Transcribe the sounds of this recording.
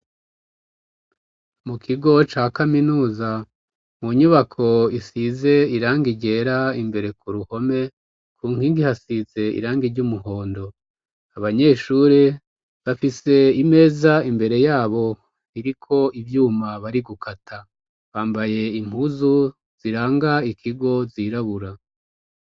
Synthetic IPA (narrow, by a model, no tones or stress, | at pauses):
mukʰiɡo̞t͡ʃaːkaminuːza | muɲuβakʰo̞isize̞iɾaːŋɡiɟe̞ːɾaimbe̞ɾe̞kuɾuho̞me̞ | kʰuːŋhiːŋɡihasize̞ḭɾaːŋɡiɾɟumuɦo̞ːndo̞ | aβaɲe̞ːʃuːɾe | βafise̞ime̞ːzaimbe̞ɾe̞jaːβo̞ | iɾikʰo̞ivjuːmaβaɾiɡukʰatʰa | βaːmbaje̞im̥uzu | z̥iɾaːŋɡaikʰiɡo̞ziɾaβuɾa